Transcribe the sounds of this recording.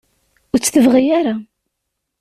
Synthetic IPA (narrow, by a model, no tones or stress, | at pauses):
ʊɾt͡sːθəvʁijaɾa